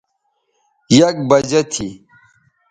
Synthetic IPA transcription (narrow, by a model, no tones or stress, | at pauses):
jɐk̚bɐd͡ʑet̪ʰi